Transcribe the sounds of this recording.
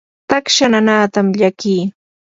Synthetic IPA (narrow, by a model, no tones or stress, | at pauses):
t̪akʃananaːt̪amʎakiː